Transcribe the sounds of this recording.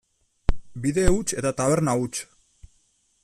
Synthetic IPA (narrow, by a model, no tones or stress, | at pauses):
biðe̞ut͡ʃe̞t̪at̪aβe̞ɾnaut͡ʃ